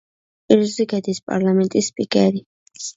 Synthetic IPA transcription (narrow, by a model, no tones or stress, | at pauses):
iɾzikɛd̪ispʼa̰ɾlamɛ̃nt̪ʼispʼikʼɛɾi